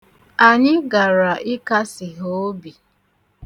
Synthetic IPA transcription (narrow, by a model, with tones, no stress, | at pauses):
a˨ɲɪ˦ɡa˨ɾa˨ʔɪ˦ka˦sɪ˨ɦo˨˦o˦bi˨